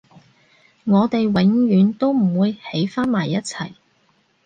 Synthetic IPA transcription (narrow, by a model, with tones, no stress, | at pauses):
ŋɔː˨˧t̪e˨jwɪ˨˥ŋɥyː˨˥nt̪o˥wm̩˨˩wuː˨˧jhe˨˥jfaː˥nmaː˨˩jːɐ˥t̚t͡sʰɐ˨˩j